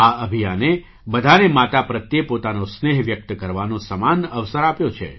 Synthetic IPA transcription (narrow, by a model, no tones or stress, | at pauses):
aəbʱijane | bəd̪ʱanemat̪apɾət̪jepot̪anosneɦʋjək̚t̪kəɾʋanõsəmanəʋsəɾapjot͡ʃʰḛ